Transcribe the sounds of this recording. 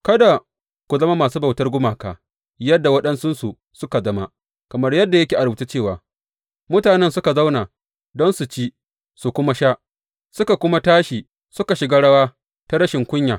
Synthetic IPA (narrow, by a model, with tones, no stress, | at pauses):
kɐ˦da˨ | kʷu˨zɐ˦ma˦maː˨suː˦ba˨wtɐ˦rɡʷʊ˦maː˨kaː˨ | jɐ˦dːa˨wɐ˦ɗɐ˦nsʊ˦nsu˨ | sʊ˦ka˨zɐ˦ma˦ | kɐ˨mɐ˦rjɐ˦dːa˨jɐ˦kʲe˨ʔa˨ɾbu˨ta˦t͡ʃeː˦˨waː˨ | mʊ˦taː˨nɛ˦nsʊ˦ka˨za˦wna˨ | dɔ˦nsu˨t͡ʃiː˦ | su˨kʷʊ˦ma˦ʃa˦ʔ | sʊ˦ka˨kʷʊ˦ma˦taː˦ʃi˨ | sʊ˦ka˨ʃɪ˨ɡaː˦ɽɐ˦waː˦ | ta˦ɽɐ˦ʃɪ˨ŋkʷʊ˦ɲjaː˨